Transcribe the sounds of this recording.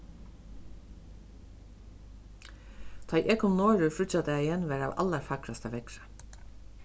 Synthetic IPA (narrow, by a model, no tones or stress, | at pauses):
t̪ʰɑɪʔeːkʰʊmnoːɹʉfɾʏt͡ʃɑt̪əjæɪjɛnʋæːɹɑːʋʔɑ̰ləɾfɑkɾɑst̪əʋɛkɹə